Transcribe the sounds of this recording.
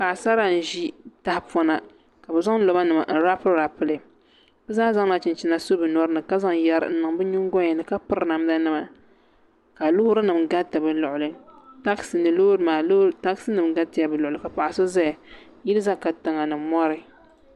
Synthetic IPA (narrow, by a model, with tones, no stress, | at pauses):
ka˨sa˦ɾa˦n̩˨ʒi˦ta˦hpɔ˦na˨ | ka˨bɨ˨za˦ŋn̩˦lo˨ba˦nɨ˨ma̰˨n̩˦ɾa˦pɨ˦lɾa˨pɨ˦lɨ˨ | b̥ɨ˦zaː˦za˦ŋna˨t͡ʃɪ˨nt͡ʃi˦na˨so˦bɨ˨nɔ˦ɾɨ˦nɨ˨ka˦za˦ŋ˨ja˦ɾɨ̰˨n̩˦nɨ˨ŋ˦bɨ˦ɲu˦ŋ˦ɡɔ˦ɲɛ˨nɨ˨ka˦pɨ˦ɾna˨m˦da˦nɨ˦ma˨ | ka˨lʊ˦hʊ˦ɾɨ˦nɨ˨mɡa˦tɨ˨bɨ˨lʊ˨ʔʊ˨lɨ˨ta˦ksɨ˨nɨ˨loː˦ɾɨ˦maː˨˦ta˦ksɨ˦nɨ˨mɡa˦tɨ˨ja˨bɨ˨lʊ˨ʊ˨lɨ˨ka˨pa˨ʔa˨so˦za˦˨ | ji˦lɨ˦za˦ka˨tɨ˨ŋa˨nɨ˨mɔ˦ɾɨ˨